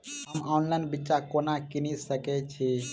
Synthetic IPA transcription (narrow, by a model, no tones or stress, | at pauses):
ɦəmɔnlajnbitːt͡ʃakonakinisəkɛt͡ʃʰi